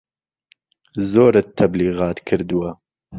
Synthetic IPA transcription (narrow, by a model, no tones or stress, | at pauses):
zoːɾɨt̪ʰːɐbliːɣɑːt̪kʰɨɾd̪uwɐ